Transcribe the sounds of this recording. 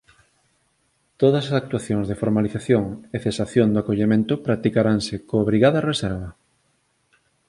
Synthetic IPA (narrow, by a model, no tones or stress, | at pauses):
t̪oðɐsasak̚t̪uaθjoŋzðefoɾmaliθaθjoŋeθesaθjond̪oakoʎemẽnt̪ʊpɾak̚t̪ikaɾaŋsekoːβɾiɣaðɐresɛɾβɐ